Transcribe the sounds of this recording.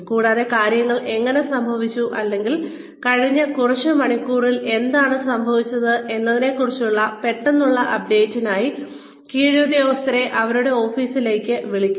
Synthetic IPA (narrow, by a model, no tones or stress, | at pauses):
kuːɽaːðe̞kaːɾjɐŋːɐɭe̞ŋːɐne̞sɐmbʱɐʋit͡ɕːuʔɐlːe̞ŋɡil | kɐɻiɲːɐkurɐt͡ɕːɨmɐɳikʲːuːrile̞nd̪aːɳɨsɐmbʱɐʋit͡ɕːɐðɨʔe̞nːɐðine̞kːurit͡ɕːuɭːɐpe̞ʈːenːuɭːɐʔɐp̚ɖe̞ːtːinaːji | kiːɻoːd̪joːɐst̪ɐɾe̞ʔɐʋɐɾuɽe̞o̞ːfiːsile̞ːkʲːɨʋiɭikʲːu